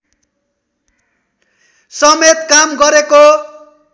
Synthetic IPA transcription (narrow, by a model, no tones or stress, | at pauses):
sʌmet̪kamɡʌɾeko